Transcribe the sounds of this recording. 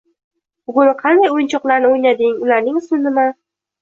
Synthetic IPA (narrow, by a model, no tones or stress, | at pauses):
bʊɡʊnqʰɑnd̪ajʊjɪnt͡ʃʰɒqlˠaɾnɪojnad̪ɪŋʊlaɾnɪŋsʊnɪma